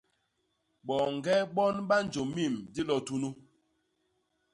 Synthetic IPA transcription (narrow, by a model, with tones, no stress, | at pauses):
ɓɔ˨ŋ̩˨ɡɛ˦ɓɔ˦nɓa˦n˨d͡ʒo˨mi˦˨mdi˦lɔ˨tu˦nu˦